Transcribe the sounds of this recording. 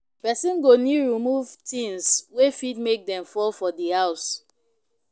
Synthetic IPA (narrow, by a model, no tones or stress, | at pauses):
pɛsĩnɡoniɹimuvtĩŋswefid̚mek̚dɛ̃mfɔlfɔdihaʊs